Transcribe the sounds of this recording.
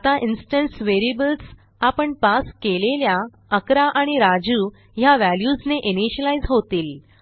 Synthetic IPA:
t̪aʔinsʈənsʋeɾibəls | apəɳpaskelelja | əkɾaʔaɽ̃iɾad͡ʑuː | jaʋæljuːsneʔiniɕəlaizɦot̪iːl

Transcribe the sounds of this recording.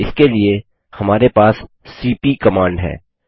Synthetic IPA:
ɪskelie | hɐmaːɾepaːsː | iːpikɐmãːɳɖɦɛ̰ː

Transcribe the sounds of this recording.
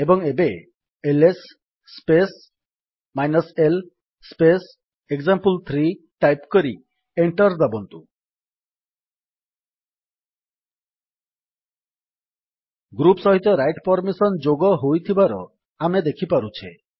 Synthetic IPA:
ebɔŋebe | elesː | pes | majnɔsel | spes | eɡzampult̪ʰɾiʈajpkɔɾi | eɳʈɔɾd̪abɔnt̪u | ɡɾupsɔɦit̪ɔɾajʈpɔɾmisɔnd͡ʒoɡɔɦojt̪ʰibaɾɔ̰ | amed̪ekʰipaɾut͡ʃʰe

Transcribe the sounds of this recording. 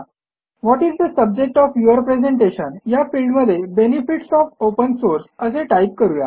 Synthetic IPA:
ʋɔʈizd̪əsəb̚d͡ʑek̚ʈɔfjuəɾpɾezeɳʈeɕənjafilɖməd̪ʱːjebenifiʈsɔfopənsoɾsəseʈajp̚kəɾuja̰

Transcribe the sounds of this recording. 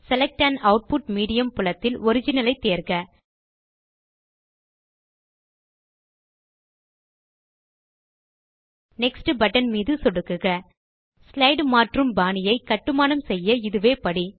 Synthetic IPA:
sɛlɛk̚ʈaːnɐʊʈ̚pʊʈmiːɽɪjɐmpʊlɐt̪ːɪlɔɾɪd͡ʒɪnɐlɐɪt̪ːeːɾɣɐ | nɛksʈɯbɐʈːɐnmiːðɯsɔɽɯkːɯɣɐ | slɐɪɖmaːʈrɯmbaːnɪjɐɪkɐʈːɯmaːnɐmsɛjːɐɪðɯʋeːpɐɽi

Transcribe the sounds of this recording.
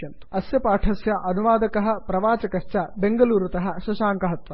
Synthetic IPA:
n | ɐsjɐpaːʈʰɐsjɐʔɐnuʋaːd̪ɐkɐɦɐ̆pɾɐʋaːt͡ʃɐkɐʃt͡ʃɐbeŋɡɐluːɾut̪ɐɦɐʃɐʃaːŋkɐɦɐt̪ʋɐ

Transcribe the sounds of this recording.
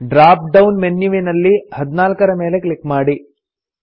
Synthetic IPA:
ɖɾaːp̚ɖɐwnmenjuʋenɐlːihɐd̪inaːlkɐɾɐmeːleklikːmaːɽi

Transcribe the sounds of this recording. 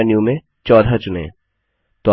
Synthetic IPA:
nijũmẽ | t͡ʃɔːd̪ʱat͡ʃʊnḛ̃ː | t̪o

